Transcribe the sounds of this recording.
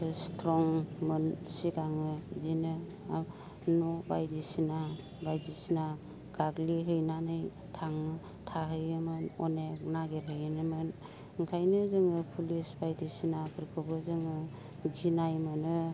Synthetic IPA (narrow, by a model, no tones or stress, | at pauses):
stʰɾɔŋmɯnsiɡaŋɯzinɯ | nɔbajdisina | bajdisina | ɡ̥aɡliɦɯjnanɯj | tʰaŋ | tʰaɦɯjɯmɯnɔnek̚naɡeɾɦɯjnɯmɯn | ŋkʰajnɯzɯŋɯpʰulisbajdisinakʰɯɾkʰɯbɯzɯŋɯ | ɡinajmɯnɯ